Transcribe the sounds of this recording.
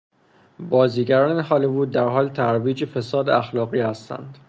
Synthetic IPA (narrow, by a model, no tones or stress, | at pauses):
bɒːziːɟæɾɒːnehɒːlevuːd̪̚d̪æɾɦɒːlt̪ʰæɾviːd͡ʒefesɒːd̪eæxlɒːɣiːhæst̪æ̰nd̪̥